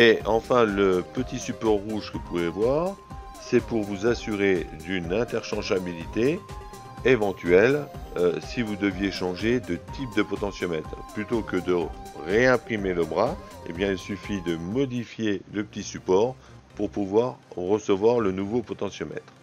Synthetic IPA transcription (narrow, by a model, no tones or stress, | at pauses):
eɑ̃fɛ̃ləpət̪isypɔʁːuʒkəupuvɛvwaʁ | sɛpuʁvuzasyʁed̪ynɛ̃t̪ɛʁʃɑ̃ʒabilit̪eː | vɑ̃t̪ʰɥɛløsivud̪əvjeʃɑ̃ʒed̪ət̪ʰip̚d̪əpɔt̪ɑ̃sjɔmɛt̪χplyt̪okəd̪əʁeɛ̃pχimeləbʁaḛbjɛ̃ilsyfid̪əmɔd̪ifjeləpət̪isypɔʁ | puʁpuvwaʁːəsəvwaʁlənuvopɔt̪ɑ̃sjɔmɛ̰t̪χ